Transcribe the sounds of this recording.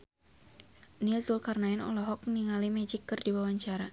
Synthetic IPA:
niasulkarnaɪnɔ̰lɔɦɔk̚niŋalimɛd͡ʒikːɨrdiwawaɲt͡ʃaɾa

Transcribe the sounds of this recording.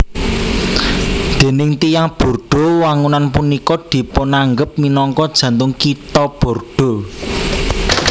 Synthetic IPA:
d̪̥e̤nɪŋt̪ijaŋb̥o̤rɖ̥o̤waŋunanpunikɔd̪̥i̤ponaŋɡəp̚minɔŋkɔd̥ʒ̥ä̤nt̪ʊŋkit̪ɔb̥o̤rɖ̥o̤

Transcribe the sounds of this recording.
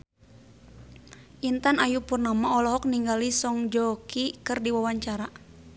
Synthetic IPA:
ʔint̪anajupurnamaɔlɔɦɔk̚niŋɡalisɔŋd͡ʒɔkikɨrdiwawaɲt͡ʃaɾa

